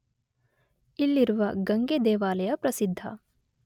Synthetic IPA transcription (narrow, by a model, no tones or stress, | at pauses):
ilːiɾuʋɐɡɐŋɡed̪eːʋaːlɐjɐpɾɐsid̪ʱːɐ̰